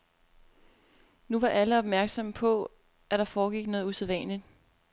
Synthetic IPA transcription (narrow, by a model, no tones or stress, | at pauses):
nuʋɑ̈ʔæləɒ̽b̥mæɐɡ̥sɒ̽mpʰɒ̽ | ʔæd̥ɑ̈fɒːɡ̥iɡ̥nɔ̽ːð̞ˠuseðˠʋɛ̰ːnlid̥